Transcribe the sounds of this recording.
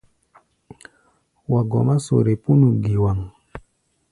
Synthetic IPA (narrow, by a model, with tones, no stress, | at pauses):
wa˨ɡɔ̰˨ma˦so̰˨ɾe˨pu˦nu˨ɡi˨wa˨ŋ